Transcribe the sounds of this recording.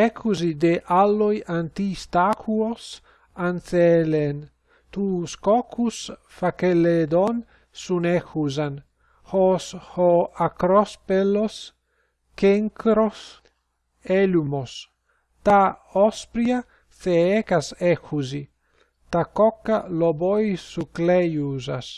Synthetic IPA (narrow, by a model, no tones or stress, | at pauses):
ɛkʰuzid̪eʔalːojant̪ist̪akʰuos | ansɛlen | t̪uskɔkʰus | fakelːed̪ɔn | sunɛkuzan | hɔshɔakɾɔspelos | keŋkɾos | ɛlumos | t̪aɔspɾia | θeɛkasɛxuzi | t̪akɔkːalɔbojsuklɛjuza̰s